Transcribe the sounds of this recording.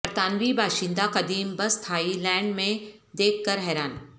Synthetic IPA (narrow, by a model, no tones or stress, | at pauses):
ɾt̪aːnʋibaːʃĩnd̪aqɐd̪iːmbɐst̪ʰaːilɛ̃ːɳɖmẽ | d̪eːkʰkɐɾɦɛːɾaːn